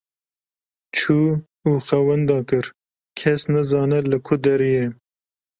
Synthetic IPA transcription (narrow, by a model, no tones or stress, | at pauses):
t͡ʃʰuː | uːxɛwɛnd̪ɑːkɨɾ | kʰɛsnɨzɑːnɛlɨkʰʊd̪ɛɾijɛ